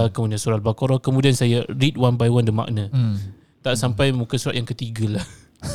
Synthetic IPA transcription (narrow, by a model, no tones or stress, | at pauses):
kəmudiansuɾalbakoɾɔkəmũdiansajəɾit̪̚wanbajwandəma̰ʔnə̃ | t̪aʔsampajmukəsuɾat̪̚jaŋkət̪iɡəlah